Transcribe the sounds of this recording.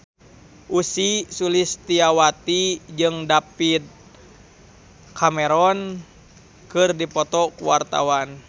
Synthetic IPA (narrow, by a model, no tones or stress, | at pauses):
ʔusisulist̪iawat̪id͡ʒɨŋdapid̪̚ | kʰamɛɾɔn | kɨrdipɔt̪ɔkuwart̪a̰wan